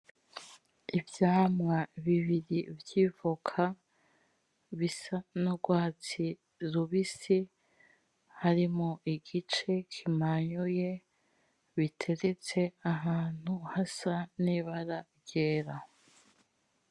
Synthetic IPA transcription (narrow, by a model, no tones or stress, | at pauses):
ivjaːmŋaβiβiɾivjivokʰa | βisanoɡwaːt͡si | ɾuβisi | haɾimoʔiɡit͡ʃe̞kʰimaɲuje̞ | βitʰe̞ɾet͡se̞aɦaːn̥huhasaniβaɾaɾɟeːɾa